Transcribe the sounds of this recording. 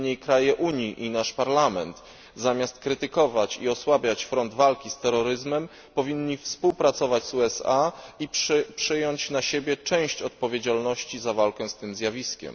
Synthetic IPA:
ɲejkɾajɛʔuɲiʔinaʂpaɾlamɛnt̪ | zamʲast̪kɾɘt̪ɘkɔvat͡ɕiɔswabʲjat͡ɕfɾɔnd̪valkʲist̪ɛɾɔɾɘzmɛm | pɔvʲiɲɲːifspuwpɾat̪sɔvad͡ʑzuɛsaippʂɘjɔɲt͡ɕnaɕebʲjɛt͡ʂɛ̃w̃ɕt͡ɕɔt̪̚pɔvʲjed͡ʑalnɔɕt͡ɕizavalkɛ̃st̪ɘmzʲjavʲiskʲɛ̰m

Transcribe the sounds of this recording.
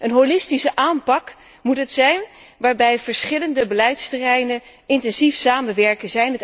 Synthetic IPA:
ʔənɦolɪstisəʔaːmpɑk | mutɦətsɛjn | ʋaːɹbɛjvəɹsχɪləndəbəlɛjtstərɛjnən | ɪntɛnzifsaːmənʋɛɹkəzɛjnət

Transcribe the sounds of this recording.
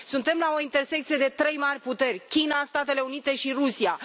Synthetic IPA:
sunt̪e̞mlao̞int̪e̞rse̞k̚t̪sijed̪e̞t̪ɾe̞jmarʲput̪e̞rʲkʲinast̪at̪e̞le̞unit̪e̞ʃirusia

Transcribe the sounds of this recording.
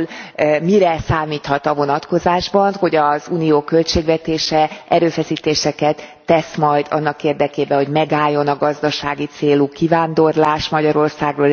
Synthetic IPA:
lmiɾɛsaːmiːt̪hɒt̪ɒvo̞nɒt̪ko̞zaːʒbɒnho̞ɟɒzuːnijoːkø̞lt͡ʃeːɡvɛt̪eːʃɛʔɛɾøːfɛsiːt̪eːʃɛkɛt̪ːɛsmɒjd̪ɒ̰nːɒkeːrd̪ɛkeːbɛɦo̞ɟmɛɡaːjːo̞nɒɡɒzd̪ɒʃaːɡit̪seːlukivaːnd̪o̞rlaːʃmɒɟɒɾo̞rsaːɡroː

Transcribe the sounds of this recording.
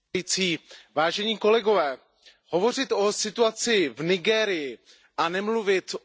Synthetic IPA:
it͡siːvaːʒɛɲiːko̞lɛɡo̞vɛː | ho̞vo̞r̝ɪt̪ʔo̞sɪt̪uat͡sɪvnɪɡɛːɾɪjɪ | ʔanɛmluvɪt̪

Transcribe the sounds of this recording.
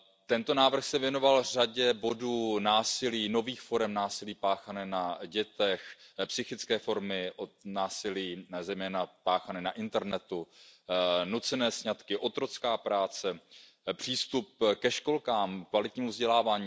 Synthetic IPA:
t̪ɛnt̪o̞naːvr̩xsɛvjɛno̞valr̝aɟɛbo̞duːnaːsɪliːno̞viːxfo̞ɾɛmnaːsɪliːpaːxanɛːnaɟɛt̪ɛxpsɪxɪt͡skɛːfo̞ɾmɪʔonaːsɪliːzɛjmɛːnapaːxanɛːnaʔɪnt̪ɛɾnɛt̪u | nut͡sɛnɛːsɲat̪kɪʔo̞t̪ɾo̞t͡skaːpɾaːt͡sɛ | pr̝̥iːst̪up̚kɛʃko̞lkaːmkvalɪt̪ɲiːmuvzɟɛlaːvaːɲiː

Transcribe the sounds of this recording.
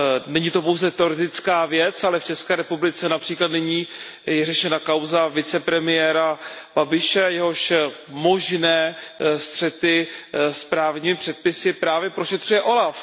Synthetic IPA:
nɛɲiːt̪o̞po̞wzɛt̪ɛo̞ɾɛt̪ɪt͡skaːvjɛt͡salɛft͡ʃɛskɛːɾɛpublɪt͡sɛnapr̥iːklat̪nɪɲiː | jɛrɛʃɛnakawzavɪt͡sɛpɾɛmɪjɛːɾab̥abɪʃɛjɛɦo̞ʃ | mo̞ʒnɛːst̪r̝̥ɛt̪ɪspɾaːvɲiːmɪpr̥ɛt̪̚pɪsɪpɾaːvjɛpɾoʃɛt̪r̝ujɛʔo̞laf

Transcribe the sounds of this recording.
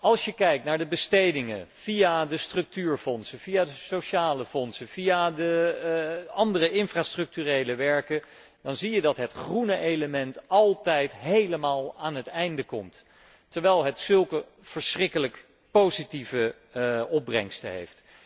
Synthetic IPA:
ɑlˠsjəkɛjk̚tnaːɹdəbəstejdɪŋə̰v̥iadəstrɵk̚tyːɹfɔnsəviadəsoʃaːləfɔnsəvijadə | ɑndərəʔɪnfraːstrɵk̚tyrejləʋɛɹkə | d̥ɑnzijədɑtɦətχrunəʔejləmɛntɑlˠtɛjtɦejləmaːlˠaːnɦətɛjndəkɔmt | təɹʋɛjlˠɦətsɵlˠkə | v̥əɹsrɪkələk | powzitivə | ɔb̚brɛŋstə̰ɦḛjft

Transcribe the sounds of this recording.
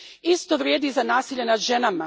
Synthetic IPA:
ist̪o̞ʋɾjeːd̪izanaːsiʎenad̪ʒenama

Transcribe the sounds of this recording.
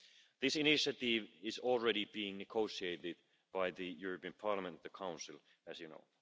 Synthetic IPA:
ðɪsɨnɪʃɨtɪvɪzɔl̩ˠɹɛɾibiɪ̃ŋnɨɡoʊsieɪɾɪd̚ | b̥aɪðɨjʊɹəpiɨ̃npʰɑɹləmə̃ntðɨkʰãʊ̃nsɨlˠ | ɨzjɨno̰ʊ

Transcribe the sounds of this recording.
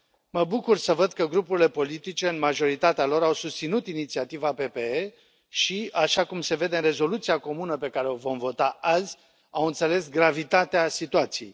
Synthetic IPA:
məbukursəvəd̪kəɡɾupuɾile̞po̞lit̪it͡ʃe̞ɨnmaʒo̞ɾit̪at̪ealo̞ɾawsust̪sinut̪init̪siat̪ivape̞pe̞e | ʃiaʃakumse̞ve̞d̪eɨnre̞zo̞lut̪sijako̞munəpe̞kaɾeo̞vo̞mvo̞t̪aʔazʲ | awɨnt̪se̞le̞sɡɾavit̪at̪easit̪uat̪sije̞j

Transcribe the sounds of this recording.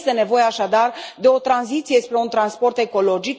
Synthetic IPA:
st̪e̞ne̞vo̞jeaʃad̪ard̪e̞o̞t̪ɾanzit̪sije̞spɾe̞unt̪ɾanspo̞rt̪e̞ko̞lo̞d͡ʒik

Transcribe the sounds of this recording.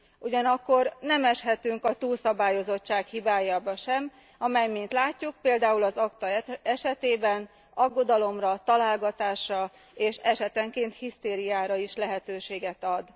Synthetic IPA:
ʔuɟɒnɒkːo̞rnɛmɛʃɦɛt̪yŋkɒt̪uːlsɒbaːjo̞zo̞t͡ʃːaːkhibaːjaːbɒʃɛm | ɒmɛjmint̪laːcːuk̚peːld̪aːulɒzɒkt̪ɒɛʃɛt̪eːbɛn | ɒɡːo̞d̪ɒlo̞mrɒt̪ɒlaːlɡɒt̪aːʃrɒ | eːʃɛʃɛt̪ɛŋkeːnt̪hist̪eːɾijaːɾɒiʃlɛɦɛt̪øːʃeːɡɛt̪ɒd̪

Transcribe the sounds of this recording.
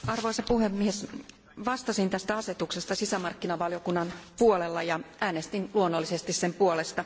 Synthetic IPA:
ɑrʋo̞jsɑpuɦe̞mːies | ʋɑst̪ɑsint̪æst̪æɑse̞t̪ukse̞st̪ɑsisæmɑrkːinɑʋɑljo̞kunːɑnpuolelːɑjɑʔæːnest̪inluonːolːise̞st̪issempuole̞st̪ɑ

